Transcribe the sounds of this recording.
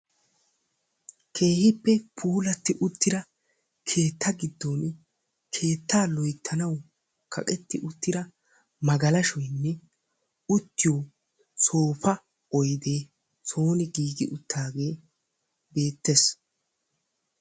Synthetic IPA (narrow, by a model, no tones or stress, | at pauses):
kʰe̞ːhɪpːɛpʰuːlɐt̪ːɪʔʊt̪ːɪɾɐ | kʰe̞ːt̪ːɐɡɪd̪ːon | kʰe̞ːt̪ːaːlɔjt̪ʰːɐnɐw | kʰɐ̰kʼɛt̪ːɪʔʊt̪ːɪɾɐ | mɐɡɐlɐʃɔjnːɛ | ʊt̪ːɪjo | so̞ːpɐ | ɔjd̪e̞ː | so̞ːnɪɡiːɡɪʔʊt̪ːaːɡe̞ː | be̞ːt̪ːes